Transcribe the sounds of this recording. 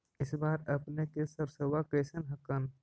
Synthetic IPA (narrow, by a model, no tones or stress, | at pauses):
ɪsbaːɾəpnekesəbsəwakeːsənɦəkən